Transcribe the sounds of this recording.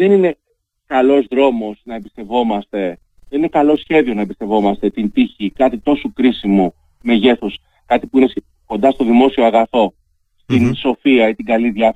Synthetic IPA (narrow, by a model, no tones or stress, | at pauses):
ðe̞nine̞ | kɐlo̞zðɾo̞mo̞snɐebist̪e̞vo̞mɐst̪e̞ | ðenine̞kɐlo̞sçe̞ðio̞nɐebist̪e̞vo̞mɐst̪e̞t̪int̪içikɐt̪it̪o̞sukɾisimu | me̞ʝe̞θus | kɐt̪ipuines | ko̞nd̪ɐst̪o̞ðimo̞sio̞ɐɣɐθo̞ | st̪inso̞fiɐit̪iɡɐliðʝɐf